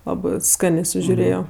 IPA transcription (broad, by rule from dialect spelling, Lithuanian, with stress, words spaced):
ˈlˠɑːbɜ ˈskɑːnʲeː sʊʒʲʊˈrʲeːjoː